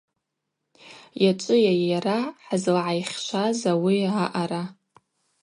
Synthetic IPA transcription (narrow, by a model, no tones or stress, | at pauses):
jat͡ʃʷʼɨjajaraħazlʕajχʲʃʷazawiaʔaɾa